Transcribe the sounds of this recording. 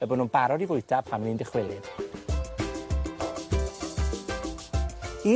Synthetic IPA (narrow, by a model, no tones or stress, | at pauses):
əbɔnunbaɾɔdivʊjtʰapʰaməniːndɪχwɪlˠɨd̥ | i